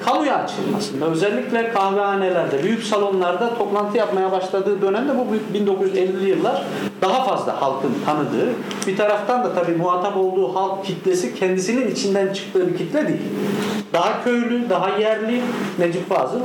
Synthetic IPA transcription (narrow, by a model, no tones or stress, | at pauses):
kʰalˠujat͡ʃʰɯ̰lˠma̰sɯnvɛø̞zɛlʲːiclʲɛkʰahvɛaːnelʲæɾd̪ɛbyjycsalˠo̞nlˠaɾd̪at̪ʰo̞plˠant̪ʰɯjapmajabaʃlˠad̪ɯːd̪ø̞næmd̪ɛbubbind̪o̞kʰuzyzɛlʲːijɯlˠːaɾ̥ | d̪aɦafazlˠa̰halˠkʰɯnt̪ʰanɯd̪ɯː | bit̪ʰaɾaft̪ʰand̪at̪ʰabiːmuɦaːt̪ʰapo̞lˠd̪uːhalˠk̚cʰit̪ʰlʲesicʰɛnd̪isininit͡ʃʰind̪ænt͡ʃʰɯ̥k̚t̪ʰɯːbicʰit̪lʲed̪ilʲd̪aɦacʰø̞jlʲyd̪aɦajæɾlʲimed͡ʒupvaːzˠɯ